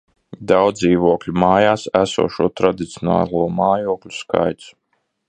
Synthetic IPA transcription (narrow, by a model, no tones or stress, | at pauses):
d̪awd̪iːvuɔklʲumaːjaːsæsṵɔʃuɔt̪ɾad̪it̪sʲjɔna̰ːlˠuɔmaːjuɔklʲuska̰jt̪su̥